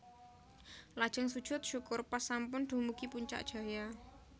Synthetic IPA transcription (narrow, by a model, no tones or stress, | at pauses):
lad̥ʒ̥ə̤ŋsud̥ʒ̥ʊ̤t̪̚ʃukʊrpasampʊnɖ̪̥ṳmuɡ̥ipuɲt͡ʃa̰ʔd̥ʒ̥a̤ja